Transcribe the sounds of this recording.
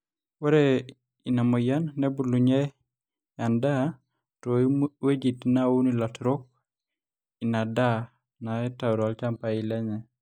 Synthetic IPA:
wɛ˦ɾɛ | i˨na˨mɔ˨ja˦nːɛ˦bu˨lu˨ɲɛ˦ | a˨nda˦ | tɔ˨iwe˦d͡ʒi˨tna˦u˦ni˨la˨tɾo˦k̚ | i˨na˨da˦ | na˨ɛ˦ta˨ɾɔ˨a˨lt͡ʃa˦mpa˨i˨lɛ˦ɲɛ˨

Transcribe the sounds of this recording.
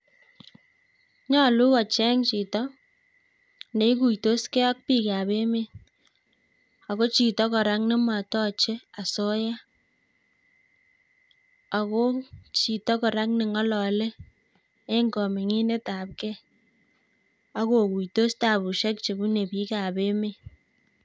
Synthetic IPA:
ɲɔ˦lu˦kɔ˨t͡ʃɛ˦ŋt͡ʃi˨tɔ˦ | ne˨i˦k̬u˨jto˦skɛ˦ɔ˦k̚pi˦˨ka˨be˦me˦ | a˨ko˦t͡ʃi˨tɔ˦kɔ˨ɾa˦ŋnɪ˦ma˨tɔ˦t͡ʃe˦a˨so˦ja˦ | a˨ko˦t͡ʃi˨tɔ˦kɔ˨ɾa˦ŋnɪ˨ŋɔ˦lɔ˨leː˦ | ŋɡɔ˨mi˨ŋi˦ne˦ta˨p̚kɛ˦ | a˦ko˨ku˨jto˦sta˨bu˨ʃɛ˦k̚t͡ʃe˨ku˦ne˨pi˦ka˨be˦me˦˨

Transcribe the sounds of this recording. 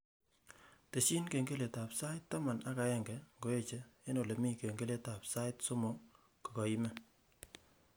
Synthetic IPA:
te˨t͡ʃi˦nke˨ŋɡe˦le˨ta˨psa˦ɪ˦tːa˦ma˨na˦ka˨ɛ˦ŋɡɛ˨ŋɡo˨e˦t͡ʃe˨e˦no˨le˨mi˦ke˨ŋɡe˦le˦ta˨psa˦ɪ˦tso˦mo˨ | ko̥˨kɔ˨i˦mɛ˦

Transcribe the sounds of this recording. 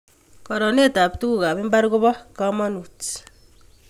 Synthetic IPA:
kɔ˨ɾɔ˨ne˦ta˨ptu˦ku˦ka˨bɪ˦mba˦ɾko˦bɔ˦ka˦ma˦nu˨t

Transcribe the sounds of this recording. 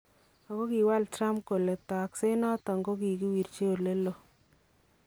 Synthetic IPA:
a˨ko˦ki˨wa˦ltɾa˦mp̚ko˨le˨ta˨a˨kse˦nɔ˦tɔ˨ŋɡo˦ki˨ki˦wi˨rt͡ʃe˦o˨le˦lo˨

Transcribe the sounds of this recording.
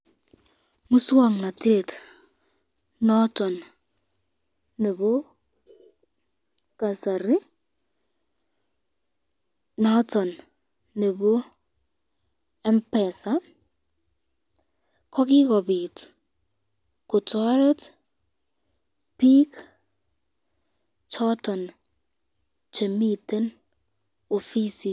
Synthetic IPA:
mu˦swa˦˨ŋna˨te˦˨t | nɔ˦tɔ˨n | ne˨βo˦ | ka˨sa˨ɾɪ˦ | nɔ˦tɔ˨nː | e˨bo˦ | ɛ˦mpɛ˨sa˦ | kʰɔ˦kɪ˦kɔ˨bi˨t | ko˨tɔ˦ɾɛ˦t | pi˦k | tʰɔ˦tɔ˨n | t͡ʃe˨mi˦˨te˦n | o˨fi˦si˨

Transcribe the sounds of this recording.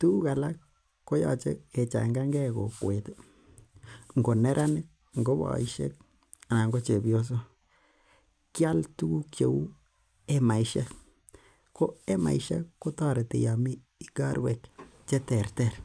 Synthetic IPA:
tu˦u˦ka˨la˦kː | o˦ja̰˨t͡ʃḛ˦ke˨t͡ʃa̰˨ŋɡa˦ŋɡɛ˦ko˨kwe˨te˦ | ŋɡo˨nɛ˦ɾʔa˦nɪ˦k̚ | ŋɡo˦ba̰˨i˦ʃḛ˦k̚ | na˨ŋɡo˦t͡ʃe˨bjo˦s̬o˦ | kja˦ltu˦ɡu˦kt͡ʃe˨u˦ | e˦ma˨iʃa˦k | ko˦e˦ma̰˨iʃa̰ː˦o˦ta˦ɾe˨tḛ˨ja˨mi˦ | i˦ɡa˦ɾwɛ˨kt͡ʃe˦tɛ˨rtɛ˦˨ɾ

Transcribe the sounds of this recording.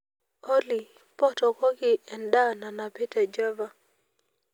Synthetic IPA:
o˦li˨ | pɔ˦tɔ˨kɔ˦ɡɪ˦ɛ˨nda˦na˨na˨pɪ˦tɛ˨d͡ʒa˦va˨

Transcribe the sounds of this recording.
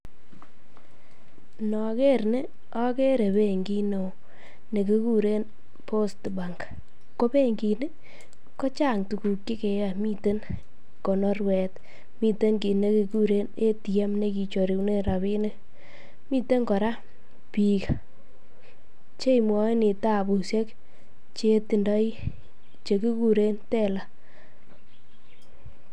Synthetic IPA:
nɔ˨ke˦ɾne˦ | ɔ˦ke˦ɾe˨be˦˨ŋɡi˦no˨ | ne˨ke˦ku˦ɾe˦n | pʰo˦stba˨ŋk | ko˦pe˦ŋɡi˨ne˦ | kɔ˦t͡ʃa˦˨ŋtu˨ku˨kje˦ke˨ja˨mi˦te˦n | kɔ˨nɔ˦rwɛ˨t | mi˦te˦nki˨ne˦ki˨˧ku˦ɾe˦ne˦ti˨jɛ˦mne˦ki˨t͡ʃɔ˨ɾi˨kne˦ɾa˨βi˦ne˦ | mi˦te˦ŋkɔ˨ɾa˦ | pi˨ka | t͡ʃe˦imwɔ˦nɪ˨ta˦˨bu˨sje˦k | t͡ʃe˦ti˨ndɔ˦i˦ | t͡ʃe˨ku˦ku˦ɾe˦ntɛ˦la˨

